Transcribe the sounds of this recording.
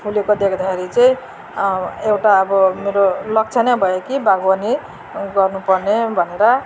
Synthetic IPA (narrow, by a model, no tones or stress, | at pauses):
pʰulekod̪ekʰd̪axʰeɾit͡sʌĩ | ewʈaʌbʌmeɾolʌk̚t͡sʰʌnʌjbʱʌjokibaɡbʌni | ɡʌrnupʌrnebʱʌneɾʌ